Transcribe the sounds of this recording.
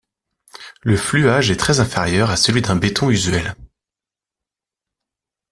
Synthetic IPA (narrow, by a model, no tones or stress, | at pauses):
ləflyaʒɛt̪χɛzɛ̃feʁjœʁasəlɥid̪ɛ̃bet̪ɔ̃yzɥɛl